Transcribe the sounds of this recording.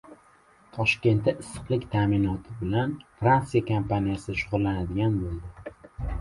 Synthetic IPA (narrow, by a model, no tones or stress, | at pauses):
t̪ʰɒʃkʲe̞nt̪ːaʔɪsːɨ̥qlˠɪkʲt̪ʰaːmɪnɒt̪ʰɪbɪlanfɾant̪sijakʰampʰanijasɪʃʊʁʊlˠlːanad̪ɪɡʲanbolˠd̪ɪ